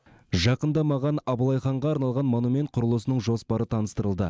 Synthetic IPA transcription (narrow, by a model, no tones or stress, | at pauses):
ʒɑqənd̪ɑmɑʁɑnɑbəlˠɑjχɑɴʁɑːɾnɑlˠʁɑnmonumʲe̞nt̪̚qʰʊɾəlˠəsənəɴʒo̞spɑɾət̪ʰɑnəst̪əɾəlˠd̪ə